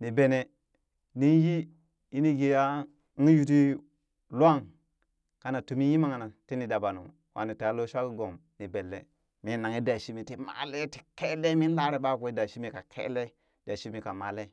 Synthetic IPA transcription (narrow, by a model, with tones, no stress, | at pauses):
ni˨be˨ne˨ | ni˦nji˦ | i˦ni˦ɡe˨ja˦ | ŋ˦ju˨˦t̬i˦ | lu˦a˦˨ŋ | ka˦na˨tu˨mi˦ji˦ma˦ŋa˨na˨ti˦ni˨da˨ba˨nṵ˨m | wʔa̰˨ni˨ta˨˦lo˦ʃa˦ki˦ɡo˨mni˨be˨lːḛ˨ | mi˦na˨ŋi˦da˨ʃi˦mi˨ti˨ma̰˨le˦ti̥˨ke˦le˦mi˦nla˦ɾe˨ɓa˦˨ku˨i˦da˨ʃi˦mi˨ka˨kʰḛ˦le˦ | da˨ʃi˦mi˨ka˨ma˨le˦